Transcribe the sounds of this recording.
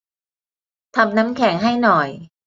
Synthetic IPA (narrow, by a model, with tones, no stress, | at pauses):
t̪ʰa˧mna˦˥mkʰɛː˩˦ŋɦa˥˩jnɔ˨˩j